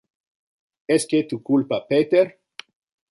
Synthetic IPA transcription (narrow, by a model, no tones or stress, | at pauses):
esket̪ukulpapet̪eɾ